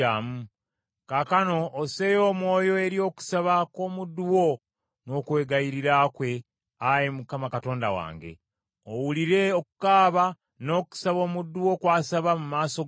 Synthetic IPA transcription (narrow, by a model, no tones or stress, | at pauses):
amu | kakano̞ːse̞jo̞ːmwo̞ːjo̞e̞ɾio̞ːku̥saβako̞ːmudːuwo | no̞ːkwe̞ːɡajiɾiɾakwe̞ | ajemukamakato̞ːnda̰wa̰ːŋɡe̞̰ | owuliɾe̞okukaːβa | no̞ːku̥saβo̞ːmudːuwo̞kwaːsaβamumaːso̞